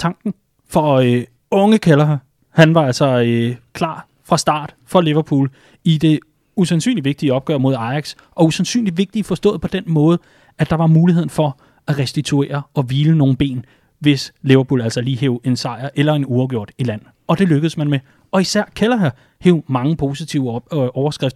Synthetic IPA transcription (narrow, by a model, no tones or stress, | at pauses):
t͡sʰɑ̈ŋɡ̥n̩ | fɒ̽ø | ɔ̽ŋəkʰælɐɦæ | hænʋɑ̈æl̰sɒøkʰlɑ̰̈ː | fʁɑ̈sd̥ɑ̰̈ːd̥fɒle̝ʋɐpʰṵːl | id̥e̝ | usænsy̰ːnliʋe̝ɡ̥̚d̥iəɒ̽b̥ɡ̥œ̰ɐmo̝ð̞ˠɑ̈ɪɑɡ̥s | ʔɒ̽usænsy̰ːnli̥ʋe̝ɡ̥̚d̥ifɒ̽sd̥ɔ̰̽ːð̩ˠpʰɒ̽d̥enmɔ̽ːð̞̩ˠ | æd̥ɑ̈ʋɑ̈muːliheð̰ˠn̩fɒ̽ | æʁɛsd̥it͡sʰue̝̰ːɐɒ̽ʋiːləno̝ːn̩b̥e̝̰ːn | ʋe̝sle̝ʋɐpʰṵːlæl̰sɒliːɦeʊe̝nsɑ̈ɪ̰ɐʔelɐe̝nuɑʊɡ̥o̝ɐ̰d̥ilæn̰ | ɒ̽d̥e̝løɡ̥ð̩ˠəsmænme | ɒ̽isæɐ̰kʰælɐɦæ | heʊmɑ̈ŋəpʰo̝ːsit͡sʰiʊəʔɒʊɐsɡ̥ʁɛfd̥ɐ